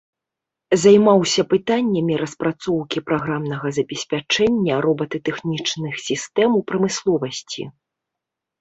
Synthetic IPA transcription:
zajmawsʲɐpɨt̪anʲːɐmʲiɾɐspɾat̪sɔwkʲipɾaɣɾamnɐɣɐzɐbʲɛsʲpʲat͡ʂɛnʲːɐɾɔbɐt̪ɨt̪ɛxnʲit͡ʂnɨxsʲist̪ɛmwpɾɐmɨslˠɔvɐsʲt͡sʲḭ

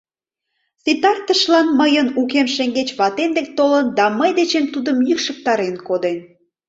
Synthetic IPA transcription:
t͡sit̪ɑrt̪əʃlɑnməjənukemʃeŋɡet͡ɕβɑt̪end̪ek̚t̪olənd̪ɑməjd̪et͡ɕemt̪ud̪əmjykʃək̚t̪ɑɾenkod̪en

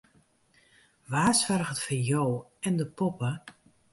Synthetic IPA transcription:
ʋaːsfɛrɣətfəjowɛndəpɔpə

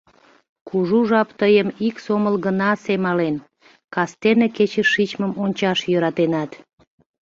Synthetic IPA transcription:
kuʒuʒɑpt̪əjəmiksoməlɣənɑsemɑlen | kɑst̪eneket͡ɕəʃːit͡ɕməmonʲt͡ɕɑʃjøɾɑt̪enɑt̪

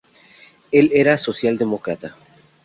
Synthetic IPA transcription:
e̞le̞ɾaso̞sjald̪emo̞kɾat̪a

